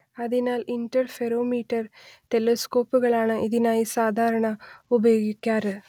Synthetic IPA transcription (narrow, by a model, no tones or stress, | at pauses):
ɐðinaːlindɐrfeɾoːmiːʈːɐrt̪elesko̞ːpːuɣɐɭaːɳɨʔiðinaːjisaːd̪ʱaːɾɐɳɐubɐjoːɡikʲːaːɾ